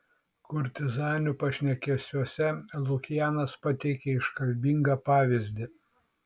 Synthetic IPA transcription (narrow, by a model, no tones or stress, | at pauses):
kʊɾʲt̪ʲɪzɑːnʲupɐʃʲnʲɛkʲɛsʲuɔsʲɛlˠʊkʲɪjæːnɐspɐt̪ʲɛɪkʲɛɪʃkɐlʲbʲiŋɡɐpɑːʋʲɪzʲd̪ʲɪ